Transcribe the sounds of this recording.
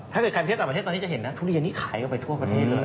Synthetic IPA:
t̪ʰa˥˩ɤː˨˩ka˧˥˩t̪ːa˨˩pʰe˥˩t̪ːɔː˧nː˦˥t͡ɕa˨ɦe˩˦nːa˦˥t̪ʰuː˧li˧ənːiː˦˥kʰaː˩˦jka˧˩pa˧jt̪ʰu˥˩ɐpɾa˧t̪ʰeː˥˩lɤː˧j

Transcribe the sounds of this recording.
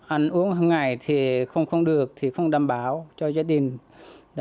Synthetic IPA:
ʔa˧˩ŋ̟ʔu˨˧˦əŋɦə˧˩ŋːa˨˩jt̪ʰi˨˩xə˧wŋ͡mxə˧wŋ͡mɗɨ˨˩ək̚t̪ʰi˨˩xə˧wŋ͡mɗaː˨˩mɓaː˨˦wt͡ɕɔ˧zaː˧ɗï˨˩ŋ̟

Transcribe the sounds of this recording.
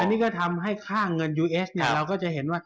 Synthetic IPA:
ʔa˧nːiː˥˩kɔ˥˩t̪ʰa˧mɦa˥˩jkʰaː˥˩ŋɤ˧njuː˧ʔe˦˥sni˥˩ɐɾa˧wkɔː˥˩t͡ɕa˧˩he˩˦nwaː˥˩

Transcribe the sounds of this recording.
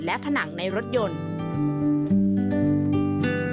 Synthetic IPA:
lɛ˦˥pʰa˧na˩˦ŋna˧jɾo˦˥t̪̚jo˧n

